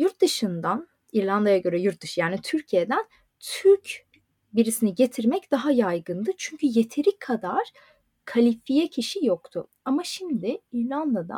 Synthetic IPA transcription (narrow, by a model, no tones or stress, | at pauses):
juɾt̪̚d̪ɯʃɯnd̪an | iɾlʲˠand̪ajaɟø̞ɾɛjuɾt̪̚d̪ɯʃɯjaːnit̪ʰyɾcʰije̞d̪æn | t̪ʰyɾc | biɾisiniɟe̞t̪ʰiɾmɛcd̪̥aɦajajɡɯnd̪ɯt͡ʃʰyɲcʰyje̞t̪ʰe̞ɾikʰːad̪aɾ̥ | kʰalʲifijɛcʰiʃijokt̪ʰʊ | amaʃimd̪ɪiɾlʲˠand̪ad̪a̰